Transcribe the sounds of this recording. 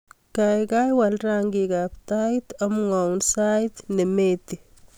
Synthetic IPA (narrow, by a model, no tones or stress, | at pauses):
kajɡajwalraŋɡiɡapt̪ait̪ɐmŋawnsajt̪nemet̪i